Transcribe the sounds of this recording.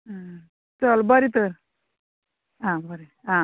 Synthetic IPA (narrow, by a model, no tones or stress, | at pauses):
a | t͡səlbəɾit̪əɾ | ãbəɾe | ã